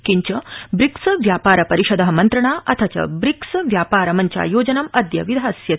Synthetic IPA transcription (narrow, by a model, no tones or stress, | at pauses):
kiɲt͡ɕɐbɾiksʋjaːpaːɾɐpɐɾiʃɐd̪ɐɦɐmɐnt̪ɾɐɳ̃aʔɐt̪ʰɐt͡ɕɐ̰bɾiksʋjapaːɾɐmɐɲt͡ɕja̰joːd͡ʑɐnɐmɐd̪jɐʋid̪ʱasjɐ